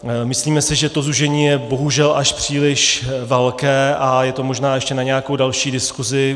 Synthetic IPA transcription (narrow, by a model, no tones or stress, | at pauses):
mɪsliːmɛsɪʒɛt̪o̞zuʒɛɲiːjɛbo̞ɦuʒɛlʔaʃpr̝̥iːlɪʃvɛlkɛːʔajɛt̪o̞mo̞ʒnaːjɛʃcɛnaɲɛjakowdalʃiːdɪskuzɪ